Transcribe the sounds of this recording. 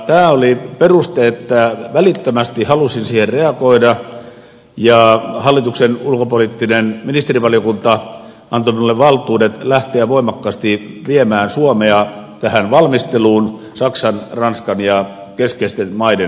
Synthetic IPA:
t̪æːoliperust̪eet̪ːæʋælit̪ːømæst̪ihɑlusinsiːherreɑkoidɑ | jɑhɑlːit̪uksenulkopolit̪ːinenminist̪eriʋɑljokunt̪ɑ | ɑnt̪ominulːeʋʋɑlt̪ˑuːdet̪læht̪eæʋoimɑkːɑːst̪i | ʋiemæːnsuomeɑ | t̪æhænʋɑlmist̪eluːn | sɑksɑnrɑnskɑnjɑ | keskeist̪enmɑide

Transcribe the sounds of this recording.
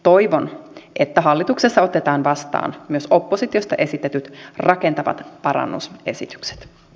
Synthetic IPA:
t̪o̞jʋonʔet̪ːæɦɑlːit̪uksesːɑo̞t̪ːet̪ɑːnʋɑst̪ɑ̰ːnmyøso̞pːo̞sit̪io̞st̪ɑʔe̞sit̪ːet̪yt̪rɑke̞nt̪ɑʋɑ̰t̪pɑɾɑ̰nːṵse̞̰sit̪y̥kse̥t̪

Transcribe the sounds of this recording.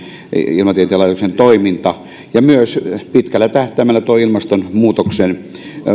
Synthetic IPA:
ḭlmɑt̪ieneːˑlɑit̪oksent̪oimint̪ɑ | jɑmyøspit̪kælːæt̪æht̪æmælːæt̪uoilmɑst̪onmuːt̪oksen

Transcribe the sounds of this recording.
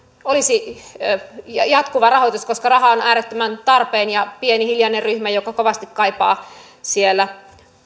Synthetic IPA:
olisi | jɑt̪kuʋɑrɑhot̪uskoskɑrɑɦɑonæːɾet̪ːømænt̪ɑrpeːnjɑpienihiljɑnerryhmæjokɑkoʋɑst̪ikkɑipɑː | sielːæ

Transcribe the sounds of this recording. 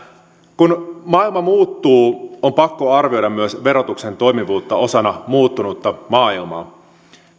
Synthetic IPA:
kunmɑːilmɑmuːt̪ːuːompɑkːo̞ɑrʋio̞jdɑmmyøsʋe̞ɾo̞t̪ukse̞nt̪o̞jmiʋuːt̪ːɑo̞sɑnɑmuːt̪ːunut̪ːɑmɑːilmɑ̰ː

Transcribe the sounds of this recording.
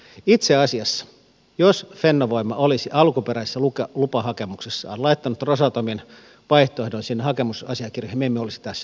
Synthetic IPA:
it̪seɑsiɑsːɑ̥ | josfenːoʋoimːɑʔolisiʔɑlkupeɾæsesːælukɑlupɑhɑkemuksesːɑ̰ːnlɑit̪ːɑnut̪rosɑt̪omin | ʋɑiht̪oehdonsinːehɑkemusɑsiɑkirjɑhimemːeolisi̥t̪æsː

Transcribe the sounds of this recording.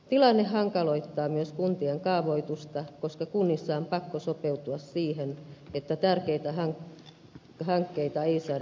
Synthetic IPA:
t̪ilɑnːehhɑŋkɑloit̪ːɑːmyøskunt̪ieŋkɑːʋoit̪ust̪ɑkoskɑkunːisːɑːmpɑkːosopeut̪uɑssiːhenet̪ːæt̪ærkeit̪æhɑŋ | hɑŋkːeit̪ɑeisɑː

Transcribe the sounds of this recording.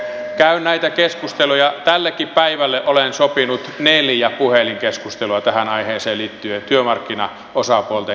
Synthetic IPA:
kæynnæit̪ækeskust̪elujɑt̪ælːekːippæiʋælːeʔolensopinut̪neljæpuheliŋkeskust̪eluɑt̪æhænɑiheːnseːliːt̪ːyøt̪yømɑrkːinɑ | osɑpuolt̪ɑ

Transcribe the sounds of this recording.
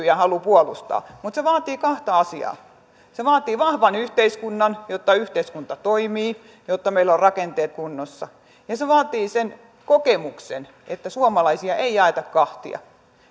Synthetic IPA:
jæhɑlupuolust̪ɑ̰ːmut̪seʋɑːt̪iːkɑht̪ɑɑsiɑ̰ː | seʋɑːt̪iːʋɑhʋɑnyht̪eiskunːɑnjot̪ːɑyht̪eiskunt̪ɑt̪oimiː | jot̪ːɑmeilːorrɑkent̪eːt̪̚kunːosːɑ | jɑseʋɑːt̪iːsen | kokemuksen | ʔet̪ːæsuomɑlɑisiɑʔeijɑet̪ɑkkɑht̪ḭɑ̰

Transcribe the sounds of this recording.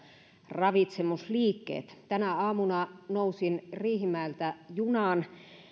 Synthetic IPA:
rɑʋit̪semusliːkːḛːt̪t̪ænæɑːmunɑnousinriːhimæˑelt̪æjunɑn

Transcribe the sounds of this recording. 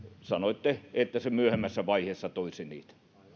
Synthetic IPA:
sɑnoit̪ːeet̪ːæsemyøhemːæsːæʋɑiheːsːɑt̪oisinḭːt̪æ̥

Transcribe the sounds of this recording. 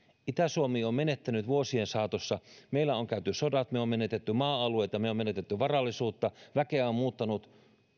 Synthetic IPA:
it̪æsuomiːommenet̪ːænyt̪ʋuosiensɑːt̪osːɑmeilːˑæoŋkæyt̪ysodɑt̪meommenet̪et̪ːymɑːɑlueit̪ɑmeomenet̪et̪ːyʋɑrɑlːisuːt̪ːɑʋækeæommuːt̪ːɑnut̪

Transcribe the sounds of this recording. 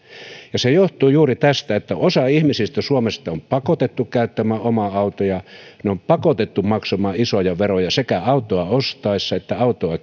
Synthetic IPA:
jɑsejoht̪uːjuːrit̪æst̪æet̪ːæosɑihmisist̪æsuomest̪ɑompɑkot̪et̪ːukkæyt̪ːæmæːʔomɑɑut̪ojɑneompɑkot̪et̪ːumɑksomɑːisojɑʋerojɑsekæɑut̪ˑoɑost̪ɑisːɑet̪ːæɑut̪oɑ

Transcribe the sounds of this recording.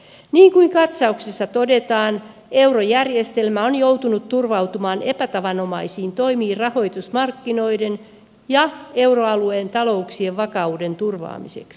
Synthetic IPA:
niːŋkuiŋkɑt̪sɑuksisːɑt̪odet̪ɑːn | e̞wrojærjest̪elmæonjowt̪unut̪ːurʋɑut̪umɑːnepæt̪ɑʋɑnomɑisiːnt̪oimiːrrɑho̞jt̪usmɑrkːino̞iden | jɑe̞wroɑlueːnt̪ɑlo̞uksie̞ʋʋɑkɑude̞nt̪urʋɑ̰ːmisḛks

